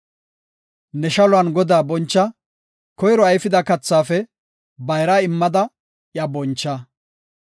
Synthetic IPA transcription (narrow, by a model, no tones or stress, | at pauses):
nɛʃɐlʊɐnɡɔd̪aːbɔnt͡ʃːɐ | kɔjɾɔɐjfɪd̪ɐkɐt͡sːaːfɛ | bɐjɾaːɪmːɐd̪ɐ | jɐbɔnt͡ʃːɐ